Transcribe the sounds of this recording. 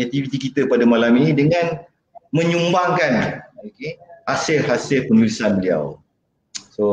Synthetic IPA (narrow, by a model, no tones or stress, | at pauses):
nat̪ifit̪ikit̪əpadamalaminĩdəŋãn | mə̃ɲumbaŋkanokeasɪlɦasɪlpənulisanbəlia̰w | so